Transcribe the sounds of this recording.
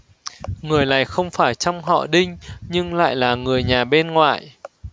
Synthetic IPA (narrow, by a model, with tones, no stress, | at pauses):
ŋɨ˨˩əjla̰ː˧˨jxə˧wŋ͡mfaː˧˩jt͡ɕɔ˧wŋ͡mɦɔ̰˧˨ɗï˧ŋ̟ɲɨ˧ŋla̰ː˧˨jlaː˨˩ŋɨ˨˩əjɲaː˨˩ɓe˧nŋwa̰ː˧˨j